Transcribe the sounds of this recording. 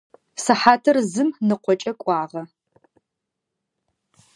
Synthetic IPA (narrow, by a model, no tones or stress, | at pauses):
sɐħaːtʰɐrzɨmnɨqʷɔt͡ʃʼɐkʷʼɑːʁɐ